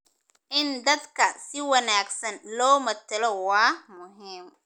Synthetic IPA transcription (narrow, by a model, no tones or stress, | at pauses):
ʔɪnd̪ɐd̪kʰɐsɪwɐnaːɡsɐnlɔːmɐt̪ʰɐlɔwaːmʊɦiːm